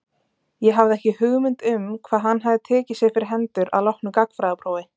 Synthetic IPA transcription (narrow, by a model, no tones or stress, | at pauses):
jɛɦavðɪɛhcɪhʏɣmʏnt̪ʏmkʰvaːðɦanːɦaðɪt̪ʰɛːcɪ̥sjɛɣfɪɾɪɾ̥ɦɛnt̪ʏɾa̰ðlɔhknʏkakfɾaːɪpɾoːwɪ